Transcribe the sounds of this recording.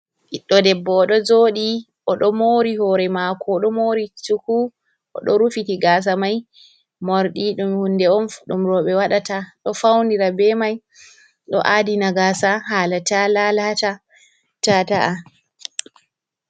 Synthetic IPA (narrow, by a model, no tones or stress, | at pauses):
ʔiɗːɔdɛbːɔːɗɔd͡ʒoːɗi | ʔɔɗɔmoɾihɔɾɛmakʰɔɗɔmoɾit͡ʃuku | ʔɔ̰ɗɔɾufitiɡaːs̬amaj | moɾɗiɗumhundɛɔnɗumɾɔɓɛwaɗataɗɔfawndiɾabɛmaj | ɗɔ̰ʔadinaɡasaɦaːlatalalata | tataʔa